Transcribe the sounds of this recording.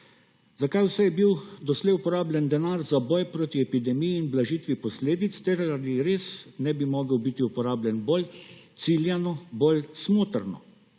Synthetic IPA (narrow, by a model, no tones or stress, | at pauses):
zakajwsɛjɛbiwd̪ɔslɛjupɔɾaːblʲɛnd̪ɛnaːɾzabɔjpɾoːt̪iɛpid̪ɛmijiːnblaʒiːt̪ʋipɔsleːd̪it̪st̪ɛɾaaliɾeːsnɛbimɔːɡəwbit̪iupɔɾaːblʲɛnbolt̪siljɛnɔbolsmoːt̪əɾnɔ̰